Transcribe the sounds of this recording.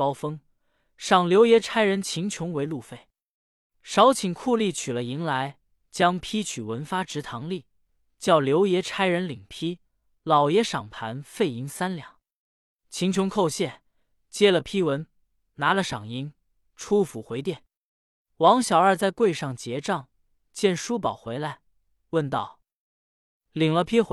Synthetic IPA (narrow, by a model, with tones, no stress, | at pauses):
pɑ˥ʊfɤ˥ŋ | ʂɑ˨˩ŋljo˧˥ʊjɛ˧˥ʈ͡ʂʰa˥ɪɻə˧˥nt͡ɕʰi˧˥ŋt͡ɕʰjʊ˧˥ŋwe˧˥ɪlu˥˧fe˥˩ɪ | ʂɑ˧˥ʊt͡ɕʰi˨˩ŋkʰu˥˧li˥˩t͡ɕʰy˨˩lə˦i˧˥ŋla˧˥ɪ | t͡ɕjɑ˥ŋpʰi˥t͡ɕʰy˨˩wə˧˥nfa˥ʈ͡ʂɻ̩˧˥t̪ʰɑ˧˥ŋli˥˩ | t͡ɕjɑ˥˩ʊljo˧˥ʊjɛ˧˥ʈ͡ʂʰa˥ɪɻə˧˥nli˨˩ŋpʰi˥ | lɑ˨˩ʊjɛ˧˥ʂɑ̰˨˩ŋpʰa˧˥nfe˥˩ɪi˧˥ŋsa˥nljɑ̰˨˩˦ | t͡ɕʰi˧˥ŋt͡ɕʰʊ˧˥ŋkʰo˥˧ʊɕjɛ˥˩n | t͡ɕjɛ˥lə˨pʰi˥wə˧˥n | na˧˥lə˧ʂɑ˨˩ŋi˧˥ŋ | ʈ͡ʂʰu˥fu˧˥˩xwe˧˥ɪt̪jɛ˥˩n | wɑ˧˥ŋɕjɑ˨˩ʊə˞˥˧t͡sa˥˧ɪkwe˥˧ɪʂɑ˥˩ŋt͡ɕjɛ˧˥ʈ͡ʂɑ˥˩ŋ | t͡ɕjɛ˥˩nʂu˥pɑ˨˩ʊxwe˧˥ɪla˧˥ɪ | wə˥˧nt̪ɑ̰˥˩ʊ | li˨˩ŋlə˧pʰi˥xw